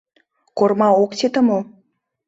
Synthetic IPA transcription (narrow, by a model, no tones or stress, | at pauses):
kormɑoktet̪ə̆mo